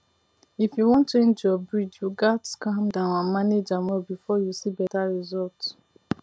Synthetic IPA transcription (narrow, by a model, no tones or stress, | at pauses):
ifjuwɔ̃nt͡ʃẽnd͡ʒjɔbɹid͡ʒjuɡatskãmdããmaned͡ʒamɛbifɔjusibɛtaɹizɔlt